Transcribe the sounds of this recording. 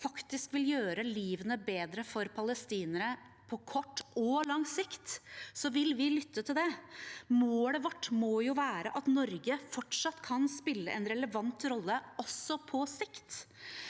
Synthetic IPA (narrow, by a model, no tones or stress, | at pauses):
fɑkt̪ɪskʋɪljøːɾəliːʋənəbeːd̪ɾəfɔɾpʰɑləst̪iːnəɾə | pʰɔkʰɔʈːɔlɑŋsɪkt̪sɔʋɪlʋɪlʏt̪ʰːət̪ʰɪld̪ɛmoːləʋɑʈːmoːjʊʋæːɾəʔɑt̪nɔɾɡəfɔʈʂɑt̪ːkʰɑnspɪlːə̰ʔɛnɾɛləʋɑnt̪ɾɔlːəɔsːɔpʰɔsɪkt̪